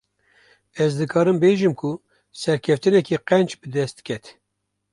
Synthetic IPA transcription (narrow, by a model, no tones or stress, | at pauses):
ɛzd̪ɨkʰɑːɾɨmbeːʒɨmkʰu | sɛɾkʰɛft̪ɨnɛkiqɛnt͡ʃbɨd̪ɛst̪̚kʲʰɛt̪